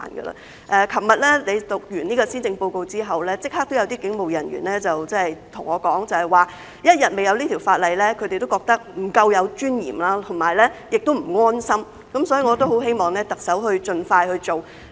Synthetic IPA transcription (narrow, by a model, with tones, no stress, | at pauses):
a̰ː˨˩nɡə̰˧lɐ̰˧ | ʔɛː˧kʰɐ˨˩mɐ˨t̚lɛː˥le˨˧jt̪ʊ˨k̚jyː˨˩niː˥kɔː˧siː˥nt͡sɪ˧ŋpo˧wko˧wt͡siː˥ɦɐ˨wlɛː˥t͡sɪ˥k̚haː˥k̚t̪o˥wjɐ˨˧wt̪iː˥kɪ˨˥ŋmo˨˩wjɐ˨˩nɥy̰ː˨˩nlɛː˥t͡sɐ˨wt͡sɐ˥hɐ˨jt̪ʰʊ˨˩ŋɔː˨˧kɔː˨˥ŋt͡sɐ˨hɐ˨jwaː˨ | jɐ˥t̚jɐ˨t̚me˨jɐ˨˧wliː˥t̪ʰi˨˩wfaː˧t̚lɐ˨˧jlɛː˥kʰɵ˨˧t̪e˨jt̪o˥wkɔː˧k̚t̪ɐ˥k̚m̩˨˩kɐ˧wjɐ˨˧wt͡ʃyː˥njḭː˨˩mlaː˥t̪ʰʊ˨˩ŋmaː˨˩jlɛː˥jɪ˨k̚t̪o˥wm̩˨˩ŋɔː˥nsɐ˥m | kɐ˨˦˥msɔː˨˥jiː˨˩ŋɔː˨˧t̪o˥wɦo˨˥wɦe˥jmɔː˨˩ŋlɛː˥t̪ɐ˨k̚sɐ˨˥wɦɵ˧ɥt͡ʃɵ˧nfaː˧jhɵ˧ɥt͡ʃo˨˩w